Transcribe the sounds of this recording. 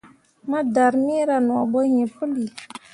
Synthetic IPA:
ma˦da˨ɾmi˦ɾa˨nɔ˨a˨bɔ˦hĩ˨pʊ˦li˨

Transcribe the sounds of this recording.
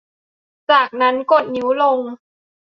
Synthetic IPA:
t͡ɕaː˨˩k̚na˦˥nko˨˩t̪̚ni˨˩˦wlo˧ŋ

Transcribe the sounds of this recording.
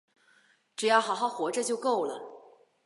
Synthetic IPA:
ʈ͡ʂɻ̩˨˩jɑ˥˩xɑ˨˥ʊxɑ˥˩ʊxwɔ˧˥ʈ͡ʂə˧t͡ɕjo˥˧ʊko˥˩ʊlə˩

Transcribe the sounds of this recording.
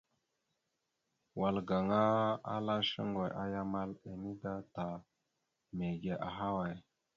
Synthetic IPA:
wa˨lɡa˨ŋa˦a̰˦la˦ʃə˦ŋɡo˨jʔa˦ja˦ma˦le˨ni˦da˦ta˨ | me˨ɡe˨ʔa˨ɦa˦wa˨j

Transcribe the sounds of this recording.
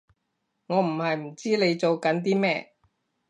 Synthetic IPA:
ŋɔː˨˧m̩˨˩hɐ˨jm̩˨˩t͡siː˥le˨˧jt͡so˨˧wkɐ˨˥nt̪̬iː˥mɛː˥

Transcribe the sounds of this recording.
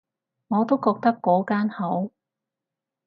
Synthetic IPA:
ŋɔː˨˧t̪o˥wkɔː˧k̚t̪ɐ˥kːɔː˨˥kaː˥nho˨˥w

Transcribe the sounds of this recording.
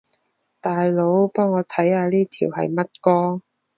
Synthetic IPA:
t̪aː˨jlo˨˧˥wpɔː˥ŋːɔː˨˧t̪ʰɐ˨˥jhaː˨˧liː˥t̪ʰḭː˨˩whɐ̰˨jmɐ˥t̚kɔː˥

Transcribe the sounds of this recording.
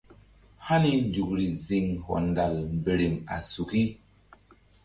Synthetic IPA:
ha˦ni˦nd͡ʒu˨kɾi˨zi˨ŋhɔ̰˨nda˨lmbe˨ɾi˨ma̰˨su˨ki˦

